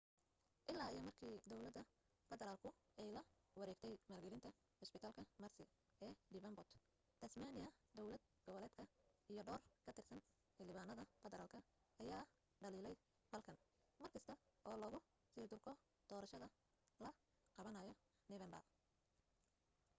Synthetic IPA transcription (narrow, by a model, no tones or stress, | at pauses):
ʔɪlːaːijɔmɐrkʰiːd̪ɔwlɐd̪ːɐ | fɛðɛɾaːlkʰʊɛjlɐwɐɾɛːɡt̪ʰɛjmaːrɡɛlɪnt̪ʰɐ | hɔspɪt̪ʰaːlkʰɐmɐrsɪ | ʔɛːd̪ɪβɐmbɔt̪ | t̪ʰɐsmanɪɐd̪ɔwlɐd̪̚ɡ̥ɔβɔlɛːd̪kʰɐijɔɖɔːrkʰɐt̪ʰɪrsɐn | hɪlɪβaːnɐðɐfɛðɛɾaːlkʰɐ | ɐjaː | ɖɐliːlɛj | b̥ɐlkʰɐn | mɐrkʰɐst̪ʰɐʔɔːlɔːɣʊ | siːrd̪ʊrkʰɔ | d̪̥ɔːɾɐʃɐðɐ | lɐ | qɑβɐnɐjɔ | nɪβɐmbɐ̰r